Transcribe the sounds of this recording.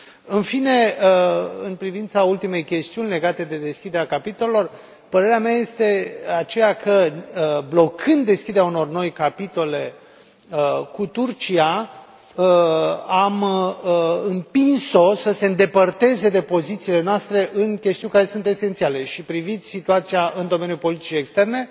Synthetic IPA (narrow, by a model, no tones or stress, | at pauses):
ɨnfine̞ | ɨnpɾivint̪sault̪ime̞jkʲe̞st̪iunʲle̞ɡat̪e̞d̪e̞d̪e̞skʲid̪eɾakapit̪o̞le̞lo̞r | pəɾe̞ɾeameaje̞st̪e̞at͡ʃe̞jakʰəblo̞kʰɨnd̪ːe̞skʲid̪eɾauno̞rno̞jkapit̪o̞le̞ | əkut̪urt͡ʃia | am | ɨmpinso̞səse̞ɨnd̪e̞pərt̪e̞ze̞d̪e̞po̞zit̪siːle̞noast̪ɾe̞ʔɨnkʲe̞st̪iunʲkaɾe̞sunt̪e̞se̞nt̪siale̞ʃipɾivit̪sʲsit̪uat̪sijaʔɨnd̪o̞me̞njulpo̞lit̪it͡ʃeekst̪e̞rne̞